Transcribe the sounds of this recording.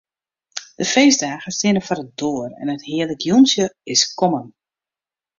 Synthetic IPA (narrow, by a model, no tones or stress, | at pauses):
d̥əfeːzdaːɣəstɪnəfɔɾət̚doːərɛ̰nəthiələɡjunsjəɪskɔmən